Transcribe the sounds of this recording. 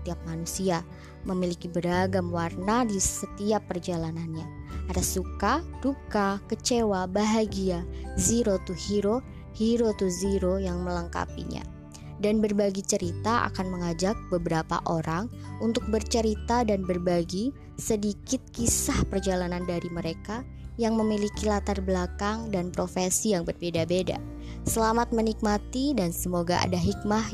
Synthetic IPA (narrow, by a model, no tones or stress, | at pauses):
sə̥t̪iap̚manusia | məmilikibəɾaɡamwarnadisət̪iapːərd͡ʒalananɲaadasukad̥ukakət͡ʃewabaɦaɡiaziɾot̪uhiɾo | hiɾot̪uziɾojaŋmələŋka̰pḭɲa̰ | danbərbaɡit͡ʃəɾit̪aʔa̰kanməŋad͡ʒak̚bəbəɾapa̰ʔoɾaŋ | unt̪ʊk̚bərt͡ʃəɾit̪adanbərbaɡi | sədikɪt̪̚kisahpərd͡ʒalanandaɾiməɾeka | jaŋməmilikilat̪arblakaŋdanpɾofesijaŋbərbedabeda̰ | səlamat̪̚mənik̚mat̪idansəmoɡaʔa̰daɦik̚ma